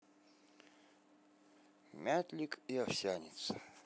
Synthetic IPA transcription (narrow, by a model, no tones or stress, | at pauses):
mʲat̪ʲlʲikiafsʲanʲḭt̪sə̥